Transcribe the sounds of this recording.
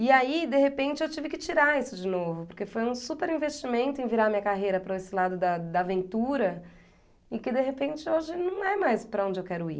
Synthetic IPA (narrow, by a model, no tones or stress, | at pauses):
iaid̪eɦepẽnt͡ʃɪewt͡ʃivɪkɪt͡ʃiɾaisʊd͡ʒɪnovʊpoɾkefojũsupeɾĩvest͡ʃimẽnt̪ʊẽj̃viɾaɐmĩɲɐkaɦejɾɐpɾɐesɪlad̪ʊd̪ɐd̪ɐːvẽnt̪uɾɐ | ɪkɪd̪eɦepẽnt͡ʃɪoʒɪnɐ̃w̃ɛmajspɾɐõd͡ʒɪewkɛɾʊḭ